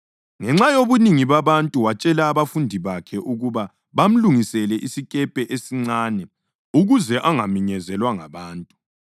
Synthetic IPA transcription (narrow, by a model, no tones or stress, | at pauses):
ŋɛŋ͡ǁajoβuniŋiβaβantʼuwat͡ʃʼɛlaːβafundʱiβakʰɛʔuɣuβa | βam̩luŋisɛlɛʔisikʼɛpʼɛʔesiŋ͡ǀaːnɛ | uɣuzɛʔaŋamiɲɛzɛlwaŋaβaːntʼu̥